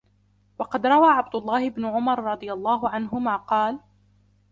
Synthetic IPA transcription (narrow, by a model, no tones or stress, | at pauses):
wɑqɑd̪ɾˤɑwaːʕab̚d̪ʊlˤːɑːhɪbnʊʕʊmɑɾˤɾˤɑd̪ˤɨjalˤːɑːɦʊʕanɦʊmaːqɑːl